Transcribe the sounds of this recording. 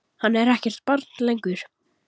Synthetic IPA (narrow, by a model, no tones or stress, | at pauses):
hanːɛɾɛhcɛr̥t̪̚paɾt̪nlejŋkʏɾ̥